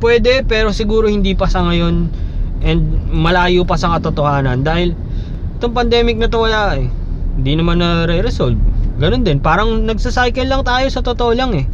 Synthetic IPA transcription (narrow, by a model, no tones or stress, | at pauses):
pwɛːd̪ɛpɛːɾo̞sɪɡuːɾo̞hɪnd̪ipɐsɐŋɐjo̞nʔɛnd̪̚mɐlaːjopɐsɐkɐt̪ot̪o̞haːnɐnd̪aːhɪl | ɛt̪o̞ŋpɐnd̪ɛːmɪk̚nɐt̪owɐlaʔɛ | hɪnd̪inɐmanːɐɾɛɾɛsolb̚ɡɐno̞nd̪ɛnpaːɾɐŋnɐɡ̚sɐsajkɛlːɐŋt̪aːjo̞sɐt̪ot̪oʔolaŋɛ